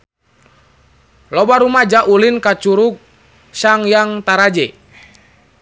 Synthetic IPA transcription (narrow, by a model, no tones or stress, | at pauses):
lɔbaɾumad͡ʒaʔulinkat͡ʃuɾuk̚ | saŋjaŋt̪aɾad͡ʒɛ